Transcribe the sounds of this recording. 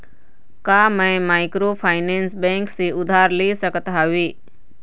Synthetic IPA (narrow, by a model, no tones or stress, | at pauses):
kaːmɛ̃maːɪkɾoːpʰaːɪnẽːnsbẽːŋksiʊd̪ʱaːɾleːsəkət̪ɦaːʋiː